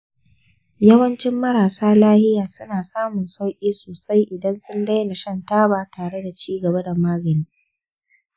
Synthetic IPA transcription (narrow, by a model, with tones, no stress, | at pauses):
jɐ˦wɐ˦nt͡ʃɪ˦mːɐ˦ɾaː˨saː˦laː˦hɪ˦jaː˨sʊ˦naː˨saː˦mʊ˨nsa˦wkʲʼiː˦soː˨sa˦jʔɪ˨dɐ˦nsʊ˦ndɐ˦jna˨ʃɐ˦˨ntaː˦baː˨taː˨ɽe˦da˨t͡ʃiː˦ɡɐ˨ba˦da˨maː˦ɡɐ˨niː˦